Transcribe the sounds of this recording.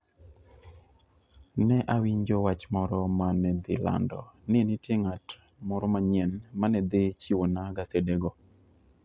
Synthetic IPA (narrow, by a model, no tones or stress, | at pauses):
nɛʔawiɲd͡ʒowat͡ʃmɔɾɔmanɛd̪ɪ̰la̰ndɔ̰nɪnɪtjeŋat | mɔɾɔmaɲɛnmanɛd̪et͡ʃiwonaɡasedeɡɔ